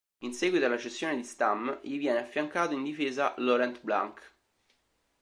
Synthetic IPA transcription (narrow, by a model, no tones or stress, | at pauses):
insɛːɡwit̪oalat͡ʃesːjoːned̪ist̪amʎivjɛːneafːjaŋkaːt̪oind̪ifeːzalɔɾɛnt̪bla̰ŋk